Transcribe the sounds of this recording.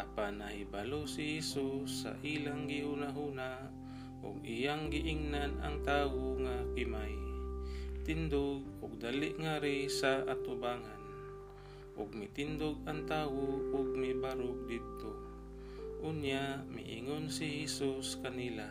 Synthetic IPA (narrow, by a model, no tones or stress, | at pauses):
ʔapanːahɪbalosɪhɛsusːa̰ʔilaŋɡɪhunaɦuːna | ʔʊ̰ɡijaŋɡɪʔiŋnana̰ŋt̪aːwoŋakɪmaj | t̪ɪnd̪oɡ̚ʊɡ̚d̪alɪʔŋaɾɪsaʔat̪ʊbaːŋan | ʔʊɡ̚mɪt̪ɪnd̪oɡ̚aŋt̪aːwoʊɡ̚mɪbaɾʊk̚d̪ɪd̪̚t̪o | ʔʊnjamɪ̰ʔḭŋonsɪhɛsuskanila